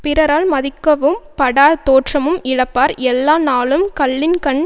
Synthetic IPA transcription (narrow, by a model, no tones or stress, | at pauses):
pɪɾɐɾaːlmɐðɪkːɐʋɯmpɐɽaːt̪oːʈrɐmɯmɪɽɐpːaːɾɛlːaːnaːɭɯmkɐɭːɪnkɐɳ